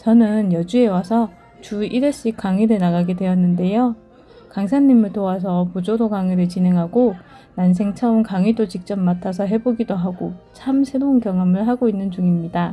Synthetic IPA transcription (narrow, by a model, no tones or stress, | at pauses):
t͡ɕʌnɯnjʌd͡ʑue̞wasʰʌ | t͡ɕuiɾeɕ͈ik͈aŋiɾɯnaɡaɡe̞dwe̞ʌnːɯnde̞jo | kaŋs̬ʰaɲːimɯɭtoas̬ʰʌpod͡ʑodoɡaŋiɾɯɭt͡ɕine̞ŋɦaɡo | nans̬ʰe̞ŋt͡ɕʰaunkaŋidot͡ɕik̚t͡ɕ͈ʌmːatʰas̬ʰʌɦe̞boɡidoɦaɡot͡ɕʰamsʰe̞ɾounkjʌŋʌmɯɭɦaɡoinːɯnd͡ʑuŋimɲida